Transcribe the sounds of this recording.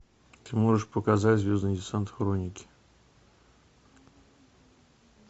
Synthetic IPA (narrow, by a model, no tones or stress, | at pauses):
t̪ɨmo̞ʐɨʂpəkɐzatʲzʲvʲo̞zd̪nɨdʲɪsant̪xɾonʲɪkʲɪ̥